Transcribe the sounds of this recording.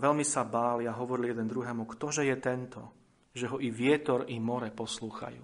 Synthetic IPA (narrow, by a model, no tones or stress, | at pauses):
ʋɛlmisabaːliaɦɔʋɔɾiljɛd̪ɛnd̪ɾuɦɛːmukt̪ɔʒɛjɛt̪ɛnt̪ɔ | ʒɛɦɔʔiʋɪɛt̪ɔɾimɔɾɛpɔsluːxa̰jṵː